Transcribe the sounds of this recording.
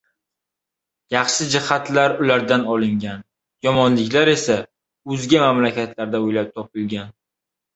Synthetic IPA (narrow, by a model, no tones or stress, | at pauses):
jɑχʃɪd͡ʒɪhat̪ʰlaɾʊlaɾd̪anɒlˠɪŋɡʲan | jɒmɒnlɪkʲlaɾe̞sa | ɵzɡʲamamlakʲʰat̪ʰlaɾd̪aojlap̚t̪ʰɒpɪlɡʲan